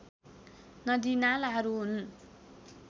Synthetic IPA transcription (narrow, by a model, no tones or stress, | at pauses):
nʌd̪inalaɦʌɾuɦun